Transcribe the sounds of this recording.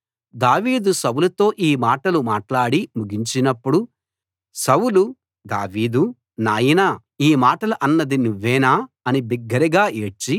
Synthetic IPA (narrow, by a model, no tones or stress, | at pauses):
d̪aːʋiːd̪usɐwulɐt̪o̞ːʔiːmaːʈɐlumaːʈlaːɽimuɡiɲt͡ʃinɐpːuɽu | sɐwulu | d̪a̰ːʋiːd̪u | naːjinaː | iːmaːʈɐlɐʔɐnːɐd̪inuʋːɛːnaː | ɐnibiɡːɐɾiɡaːeːt͡ʃi